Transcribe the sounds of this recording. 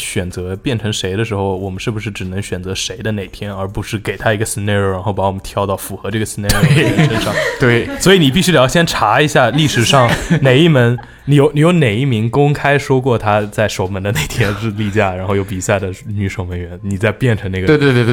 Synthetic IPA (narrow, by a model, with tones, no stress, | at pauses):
ɕɥɛ˨˩nt͡sɤ˧˥pjɛ˥˩nʈ͡ʂʰɤ˧˥ŋʂe˧˥ɪd̪ə˧ʂɻ̩˧˥xo˥˧˩ʊwɔ˨˩mə˦nʂɻ̩˥˩bu˩ʂɻ̩˥˩ʈ͡ʂɻ̩˨˩nɤ˧˥ŋɕɥɛ˨˩nt͡sɤ˧˥ʂe˧˥ɪd̪ə˧ne˨˩ɪt̪ʰjɛ˥nə˞˧˥pu˧˥ʂɻ̩˥˩ke˨˩ɪt̪ʰa˥i˧˥ɡə˧si˧˥nɛ˥˩o˧˩ʊɻa˧˥nxo˥˩pa˧˥wɔ˨˩mə˦nt̪ʰjɑ˥˧ʊt̪ɑ˥˩ʊfu˧˥xɤ˧˥ʈ͡ʂɤ˥˩ɡə˩si˧˥n˥˧e˥˩˥ʂə˥nʂɑ˥˩ŋt̪we˥˩ɪswɔ˧˥i˧˥ni˨˩p̬i˥˩ɕy˥ʈ͡ʂɕjɛ˥nʈ͡ʂʰa˧˥i˧˥ɕja˥˧li˥˩ʂɻ̩˨˩ʂɑ˥˩ŋne˨˩ɪi˥˩mə˧˥n | ni˧˥jo˧˥ʊni˧˥jo˧˥ʊne˨˩ɪi˥˩mi˧˥ŋkʊ˥ŋkʰa˥ɪʂwɔ˥kwɔ˥˩t̪ʰa˥t͡sa˥˩ɪʂo˨˩ʊmə˧˥nd̪ə˧ne˨˩ɪt̪ʰjɛ˥n̩˥˧li˥˧˩t͡ɕja˥˩ɻa˧˥nxo˥˧ʊjo˧˥ʊpi˨˩ɕja˥˩d̪ə˩ny˧˥ʂo˨˩ŋmə˧˥nɥɛ˧˥nni˨˩t͡sa˥˧ɪpjɛ˥˩nʈ͡ʂʰɤ˧˥ŋna˥˩ɡ̪wt̪w